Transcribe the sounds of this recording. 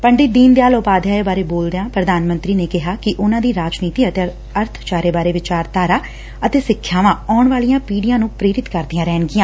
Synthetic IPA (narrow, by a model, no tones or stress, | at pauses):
pəɳɖɪd̪iːnd̪ejaːloːpaːd̪jaːebaːɾeːboːld̪ejãːpɾəd̪aːnmə̃nt̪ɾiːneːkɪɦaːkɪʔʊnãːd̪iːɾaːd͡ʒniːt̪iːət̪eː | əɾt̪ʰt͡ʃaːɾeːbaːɾeːʋɪt͡ʃaːɾt̪aːɾaː | ət̪eːsɪkʰːjaːʋãːɔːɳʋaːlijãːpiːɖijãːnũːpɾeːɾɪt̪kəɾd̪ijãːɾɛːɳɡɪjãː